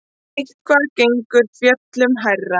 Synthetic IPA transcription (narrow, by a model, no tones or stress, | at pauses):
ejht̪̚kʰvaɾceŋkʏɾ̥fjœt̪lʏmɦarːa